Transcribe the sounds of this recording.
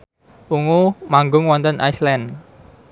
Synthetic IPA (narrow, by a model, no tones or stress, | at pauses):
uŋumaŋɡʊŋwɔnt̪ənʔa̰islɛn